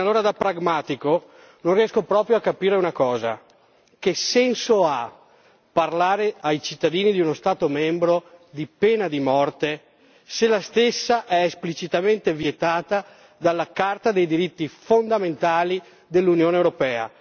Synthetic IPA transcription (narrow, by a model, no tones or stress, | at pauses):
alːoːɾad̪apːɾaɡmaːt̪iko | nõnriɛskopɾɔːpɾjoakːapiːɾeunakɔːza̰ | kesːɛnsoa | parlaːɾeajt͡ʃit̪ːad̪iːnid̪iunost̪aːt̪omɛmbɾod̪ipeːnad̪imɔrt̪e | selast̪esːaʔɛːsplit͡ʃit̪ament̪evjet̪aːt̪a | d̪alːakart̪ad̪ejd̪iɾit̪ːifond̪ament̪aːli | d̪elːunjoːnewɾopɛːa̰